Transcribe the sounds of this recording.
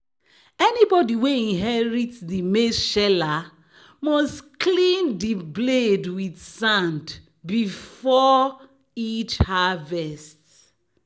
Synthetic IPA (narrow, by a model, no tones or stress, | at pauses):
ɛnibɔdiweĩnɦɛɹitdimeʃɛla | mɔstklĩndibledwidsãnd | bifɔ | it͡ʃhavɛst